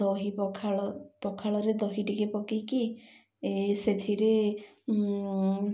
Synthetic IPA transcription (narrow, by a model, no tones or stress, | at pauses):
ɔɦipɔkʰaɔpɔkʰaɭɔɾed̪ɔɦiʈikepɔkiki | set̪ʰiɾe